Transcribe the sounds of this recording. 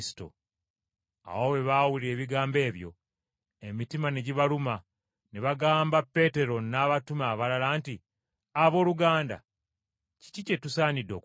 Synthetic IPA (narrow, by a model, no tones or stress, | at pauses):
sto̰ | a̰wowe̞βawuliɾe̞ːβiɡaːmbe̞ːβjo̞̰ | e̞mitimaneɟiβaluma | neβaɡaːmbapːe̞te̞ɾo̞naːβatumaːβalalaːnti | aβo̞ːluɡaːnda̰ | ci̥cice̞tusaːnido̞̰k